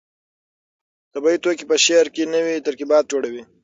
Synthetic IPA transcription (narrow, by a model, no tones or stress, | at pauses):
t̪abɑit̪okipəʃeɾkenəwit̪aɾkibɑːt̪̚d͡ʒoɽawi